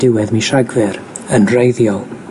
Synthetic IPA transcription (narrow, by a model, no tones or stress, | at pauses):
d̥ɪwɛðmiʃaɡvɪɾ | ənrejðjɔlˠ